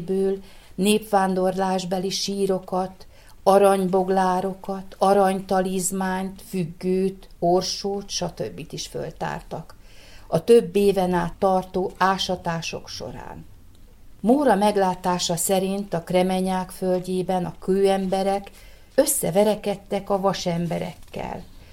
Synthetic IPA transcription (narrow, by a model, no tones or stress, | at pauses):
bøːl | neːpʋaːnd̪o̞rlaːʒbɛliʃiːɾo̞kɒt̪ | ɒɾɒɲbo̞ɡlaːɾo̞kɒt̪ɒɾɒɲt̪ɒliːzmaːɲt̪fyɡːøːt̪orʃoːt̪ʃɒt̪ø̰bːit̪iʃfø̰lt̪a̰ːrt̪ɒkɒt̪øbːeːvɛnaːt̪ːɒrt̪oːaːʃɒt̪aːʃo̰kʃo̞̰ɾa̰ːn | moːɾɒmɛɡlaːt̪aːʃɒsɛɾint̪ɒkrɛmɛɲaːkfølɟeːbɛnɒkøːɛmbɛɾɛk | øsːɛvɛɾɛkɛt̪ːɛkɒvɒʃɛmbɛɾɛ̰kːɛ̰l